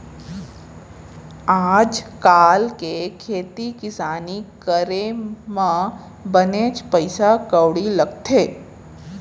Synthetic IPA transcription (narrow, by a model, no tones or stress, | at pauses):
aːd͡ʒkaːlkekʰeːt̪ikɪsaːnikəɾemã | bəneːt͡ʃpəɪsakəwɽilɐɡt̪ʰeː